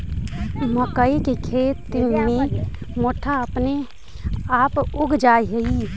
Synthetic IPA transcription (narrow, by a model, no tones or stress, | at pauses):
məkəikekʰet̪ːimemoʈʰaəpne | apuɡʱd͡ʒajɦei